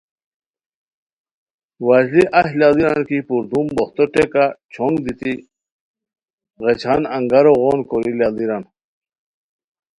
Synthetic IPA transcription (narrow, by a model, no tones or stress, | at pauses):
waʑliʔahlaliɾankipuɾd̪umboxt̪oʈekat͡ɕʰoŋɡd̪it̪i | ʁet͡ɕʰanɐŋɡaɾoɣonkoɾilald̪iɾan